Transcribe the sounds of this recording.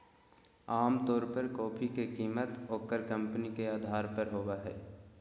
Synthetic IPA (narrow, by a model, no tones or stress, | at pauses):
aːmt̪ɔːɾpəɾkɔːpʰikekiːmət̪oːkəɾkə̃mpnikeaːd̪ʱaːɾpəɾɦoːwaɦɛː